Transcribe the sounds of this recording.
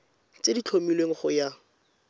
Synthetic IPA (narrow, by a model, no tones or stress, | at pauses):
t͡sedit͡ɬʰomilweŋ̩χʊja